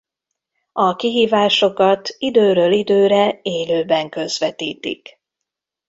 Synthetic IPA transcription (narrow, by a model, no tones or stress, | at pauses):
ɒkiɦiːvaːʃo̞kɒt̪id̪øːɾøːlid̪øːɾɛeːløːbɛŋkø̞zʋɛt̪iːt̪ḭk